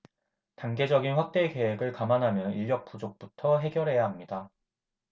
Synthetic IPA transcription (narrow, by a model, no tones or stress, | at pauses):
taŋɡe̞d͡ʑʌɡinɸwak̚t͈e̞ke̞weɡɯɭkamanɦamjʌniʎːjʌk̚p͈ud͡ʑok̚p͈utʰʌɦe̞ɡjʌɾɦe̞jaɦamɲida